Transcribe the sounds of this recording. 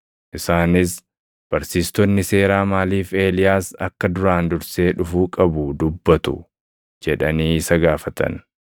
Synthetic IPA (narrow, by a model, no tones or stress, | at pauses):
ʔɪsaːnɪs | b̥ɐɾsiːst̪ɔnːɪse̞ːɾaːmaːliːfe̞ːlɪjaːsɐkːɐd̪ʊɾaːnd̪ʊɾse̞ːᶑʊfuːkʼɐbʊd̪ʊbːɐt̪ʊ̰ | d͡ʒɛᶑɐniːɪsɐɡaːfɐt̪ɐ̰n